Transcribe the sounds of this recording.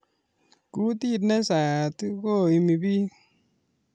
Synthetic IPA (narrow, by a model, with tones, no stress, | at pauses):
ku˦ti˦˨tnɛ˦sa˨tko˦˨i˨mi˨bi˦